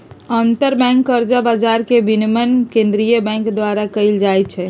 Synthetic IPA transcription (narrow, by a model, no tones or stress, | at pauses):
ənt̪əɾbɛ̃ŋkːəɾd͡ʒabad͡ʒaɾkebinmənkẽnd̪ɾijəbɛ̃ŋkd̪ʋaɾakəɪld͡ʒajt͡ʃʰɛ